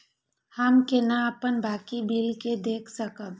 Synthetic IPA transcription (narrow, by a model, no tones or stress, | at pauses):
həmkenaəpənbaːkibʱilked̪eːkʰsəkəb